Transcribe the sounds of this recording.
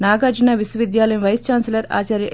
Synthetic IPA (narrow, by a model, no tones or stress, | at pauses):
naːɡaːd͡ʒunaːʋisuʋid̪jaːlɐjumʋɐjst͡ʃaːnselɐɾa̰ːt͡ʃaːɾjɐ